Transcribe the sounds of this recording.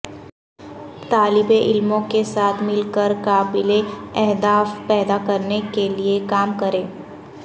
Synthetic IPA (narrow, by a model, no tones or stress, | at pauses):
t̪aːlɪbeʔɪlmõkesaːt̪ʰmɪlkəɾkaːbɪleɛɦd̪aːfpɛːd̪akɐɾnekeliekaːmkɐɾẽː